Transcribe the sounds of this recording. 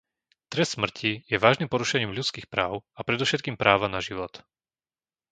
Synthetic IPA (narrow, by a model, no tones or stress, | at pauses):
t̪ɾɛst̪smr̩cʰijɛʋaːʒnimpɔɾuʃɛɲiːmʎut͡skiːxpɾaːʊapɾɛd̪ɔʃɛt̪̚kiːmpɾaːʋanaʒiʋɔt̪